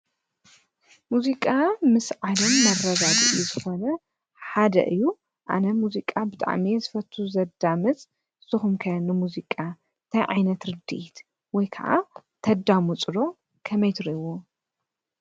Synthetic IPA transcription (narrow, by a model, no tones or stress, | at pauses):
muzikʼamɨsʕad̪ɐmːɐrɐd̪ad̪ijuzɨxo̞nɐ | ħad̪ɐ̰ʔɨjːu | ʔa̰nɐmuzikʼabɨt̪ʼa̰ʕmizɨfɐt̪ʰuzɐd̪amɨt͡sʼ | z̥ɨxumkʰɐnɨmuzikʼa | t̪ʰɐjʕa̰jnɐt̪ɾɨd̪ḭʔit̪ | wɔjkʰɐ̰ʔa̰t̪ʰɐd̪amut͡sʼɨɾo̞ | kʰɐmɐjt̪ʰɨɾiwo